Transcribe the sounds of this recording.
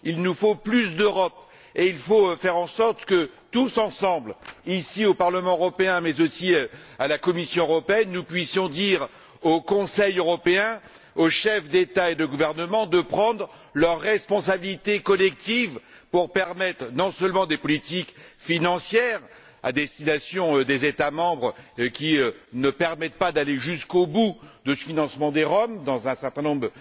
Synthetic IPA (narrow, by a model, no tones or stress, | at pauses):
ilnufoplysd̪øʁɔp | eilfofɛʁɑ̃sɔʁt̪kət̪usɑ̃sɑ̃blisiopaʁləmɑ̃øʁɔpeɛ̃mɛzosialakɔmisjɔ̃øʁɔpeɛnːupɥisjɔ̃d̪iʁ | okɔ̃sɛjøʁɔpeɛ̃ | oʃɛfd̪et̪aed̪əɡuvɛʁnəmɑ̃d̪əpχɑ̃d̪ʁ | lœʁːɛspɔ̃sabilit̪ekɔlɛk̚t̪iv | puʁpɛʁmɛt̪χnɔ̃sœlmɑ̃d̪epɔlit̪ikfinɑ̃sjɛʁ | a̰d̪ɛst̪inasjɔ̃d̪ezet̪amɑ̃bʁkʲiønəpɛʁmɛt̪̚pad̪aleʒyskobud̪əfinɑ̃smɑ̃d̪eʁɔmd̪ɑ̃zɛ̃sɛʁt̪ɛ̃nɔ̃bʁə